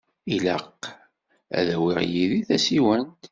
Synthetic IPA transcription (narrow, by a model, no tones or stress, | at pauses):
ilə̰qː | æ̰ðæwiʁjiðiθæsiwənt̪